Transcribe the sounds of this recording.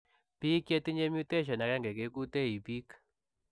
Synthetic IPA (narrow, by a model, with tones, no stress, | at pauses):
pi˦kje˦ti˦ɲe˦mju˦te˦ʃ̬ɔ˨na˨kɛ˦ŋɡɛ˨ke˦ku˦te˦˨i˨pi˦k